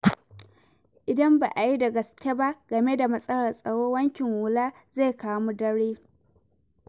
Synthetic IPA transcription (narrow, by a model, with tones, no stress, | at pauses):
ʔɪ˨dɐ˦mba̰ː˨ʔa˨ji˦da˨ɡɐ˨skʲe˦ba˦ɡ̥ɐ˨me˦da˨mɐ˦sʼɐ˦lɐ˨rsʼɐ˨ɽoː˦wɐ˦ŋkʲɪ˨ŋwʊ˨laː˦ | ze˦˨kaː˦mu˦dɐ˦ɽeː˦